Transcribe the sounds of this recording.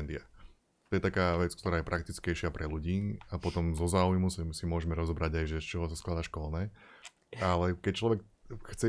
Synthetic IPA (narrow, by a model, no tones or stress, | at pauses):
nd̪ia | t̪ɔjɛt̪akaːʋɛt͡skt̪ɔɾaːjɛpɾʔakt̪it͡skɛjʃɪapɾɛluɟiːapɔt̪ɔmzɔzaːujmusasimʊɔʒɛmɛɾɔzɔbɾaɟajʒɛst͡ʃɔɦɔsasklad̪aʃkɔlnɛ | alɛkɛc̚t͡ʃlɔʋɛk | xt͡sɛ